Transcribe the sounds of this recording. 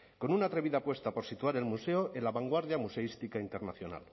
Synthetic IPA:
ko̞nunat̪ɾe̞βiðapwe̞st̪apo̞ɾsit̪uaɾe̞lmuseoʔenlaβaŋɡwaɾðjamuse̞ist̪ikaint̪e̞ɾnaθjona̰l

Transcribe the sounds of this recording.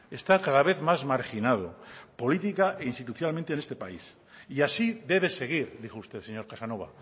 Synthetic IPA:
e̞st̪akaðaβe̞θmazmaɾxinað̞o̞̰po̞lit̪ikaʔeinst̪it̪uθjalmẽnt̪ene̞st̪epa̰is | iasid̪e̞βe̞se̞ɣ̞iɾðixoust̪e̞θseɲo̞ɾkasano̞βa̰

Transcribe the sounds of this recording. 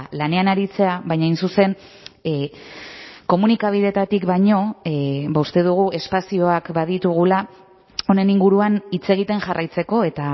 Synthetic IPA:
lane̞anaɾit͡se̞aβajɲaajnsuse̞n | ko̞munikaβ̞iðe̞t̪at̪ikβajɲo̞baust̪e̞ðuɣ̞ue̞spasio̞akbaðit̪uɣ̞ula | o̞ne̞niŋɡuɾuanit͡se̞ɣ̞it̪e̞nʝarʔajt͡se̞ko̞e̞t̪a

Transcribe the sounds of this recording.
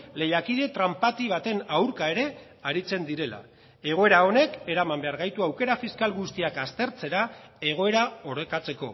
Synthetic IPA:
le̞jakiðe̞t̪ɾampat̪iβ̞at̪e̞nawɾkae̞ɾe̞ | aɾit͡se̞nd̪iɾe̞la̰ | e̞ɣ̞o̞e̞ɾao̞ne̞ke̞ɾamambe̞aɾɣajt̪uawke̞ɾafiskalɣust̪iakast̪e̞ɾt͡se̞ɾae̞ɣ̞o̞e̞ɾao̞ɾe̞kat͡se̞ko̞̰

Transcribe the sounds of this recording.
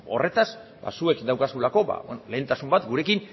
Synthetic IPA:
o̞̰re̞t̪asba̰sue̞kd̪awkasulako̞ba̰wḛnole̞ːnt̪asumbat̪ɡuɾe̞kin

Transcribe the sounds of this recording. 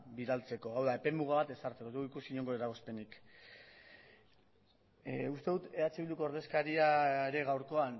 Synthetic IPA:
biɾalt͡se̞ko̞awðae̞pe̞muɣ̞aβat̪e̞saɾt͡s̪ekoeuikusiɲo̞ŋɡo̞eɾaɣo̞spe̞nik | ust̪e̞ðut̪e̞at͡ʃiβild̪ukooɾðe̞skaɾiaeɾe̞ɣawɾko̞an

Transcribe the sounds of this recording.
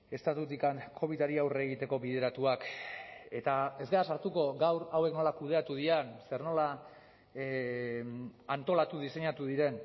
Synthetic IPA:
e̞st̪at̪ut̪ikaŋkʰo̞βit̪aɾiawreːɣit̪e̞ko̞βiðe̞ɾat̪uake̞t̪ae̞zɡaasaɾt̪uko̞ɡawɾawe̞kno̞lakuð̞e̞at̪uð̞ianse̞ɾno̞la | ant̪o̞lat̪uðise̞ɲat̪uðiɾe̞n

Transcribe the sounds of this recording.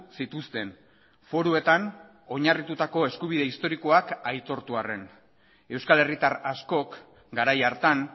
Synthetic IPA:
sit̪ust̪e̞n | fo̞ɾue̞t̪an | o̞ɲarit̪ut̪ako̞e̞skuβ̞iðe̞ist̪o̞ɾiko̞akajt̪o̞ɾt̪uare̞n | e̞wskale̞rit̪aɾasko̞k | ɡaɾajaɾt̪an

